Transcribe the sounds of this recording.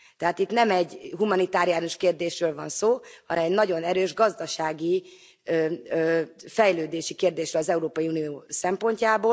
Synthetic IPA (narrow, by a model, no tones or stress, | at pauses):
t̪ɛɦaːt̪it̪nɛmɛɟɦumɒnit̪aːɾijaːnoʃkeːrd̪eːʃrøːlvɒnsoːhɒnɛmɛɟnɒɟo̞nɛɾøːʒɡɒzd̪ɒʃaːɡi | øː | fɛjløːd̪eːʃikeːrd̪eːʃrøːlɒzɛuɾoːpɒiuːnioːsɛmpo̞ɲcaːboː